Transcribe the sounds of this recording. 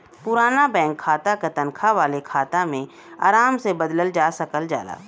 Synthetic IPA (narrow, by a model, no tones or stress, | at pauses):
pʊɾaːnabɛ̃ːŋkʰːaːt̪aket̪ɐ̃nkʰaʋaːlekʰaːt̪amẽ | a̰ːɾaːmsebɐd̪ləld͡ʒaːsɐkəld͡ʒa̰ːla̰ː